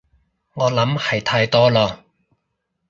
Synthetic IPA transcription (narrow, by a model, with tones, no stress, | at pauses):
ŋɔː˨˧lɐ˨˥mhɐ˨jt̪ʰaː˧jt̪ɔː˥lɔː˧